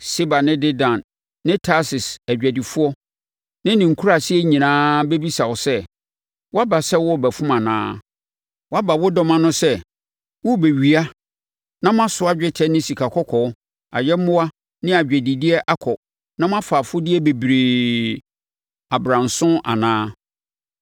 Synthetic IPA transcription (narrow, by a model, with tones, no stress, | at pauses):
se˦ba˨nɪ̃˦dɪ˦dã˨nː | ɪ̃˦tʰa˦sɪ˨sæ˨d͡ʑᶣæ˨di˨fʊ˦ɔ˦ | nɪ̃˦nɪ̃˨ŋ̩˨kʰu˦ɾa˨sɪ˦ɛ˦ɲĩ˨nãː˦be˦bi˦sa˨wɔ˨sɛ˦ | wɔ˦a˦ba˨sɛ˦wɔ˦˨bæ˨fʊ̃˦mã˨nã̰ː˦ | wa˦ba˨wʊ˦dɔ˦mã˦nʊ̃˦sɛ˦ | wʊ˦˨be˨ɥi˨a˦ | nã˦m˦ã˦sʊ˨˦a˦d͡ʑᶣɛ˦tʰɛ˦nɪ̃˦si˨kʰa˨kʰɔ˦kʰɔ˨˦ | a̰˨jɛ˦mʊ̃˦wa˦ | nɪ̃˦a˨d͡ʑᶣɛ˨di˨dɪ˦ɛ˦ʔa˦kʰɔ˨ | nã˦m˦ã˦fa˨fʊ˦dɪ˦ɛ˦be˨bɾe˨ | a˨bɾã˨nsʊ̃˦ʔa̰˨nãː˦